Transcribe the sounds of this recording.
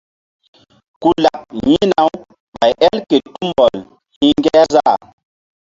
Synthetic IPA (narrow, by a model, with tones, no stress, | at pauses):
ku˨la˨p̚jĩ˦na˨˦w | ɓa˨jʔɛ˦lke˨tu˦mbɔ˨l | hĩ˦ŋɡɛ˦ɾza˦˨